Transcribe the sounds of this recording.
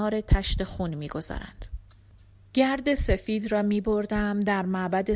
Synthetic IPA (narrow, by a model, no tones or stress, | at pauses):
ɒːɾe̞t̪ʰæʃt̪e̞xuːnmiːɡo̞z̥ɒ̰ːɾæ̰nd̪̥ | ɟ̥æɾd̪e̞se̞fiːd̪rɒːmiːbo̞ɾd̪æmd̪æɾmæʔbæd̪e̞